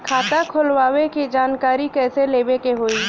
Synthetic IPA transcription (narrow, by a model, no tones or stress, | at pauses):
kʰaːt̪akʰʊlwaːwekid͡ʒaːnkaːɾikɛːseleːbekeɦoːiː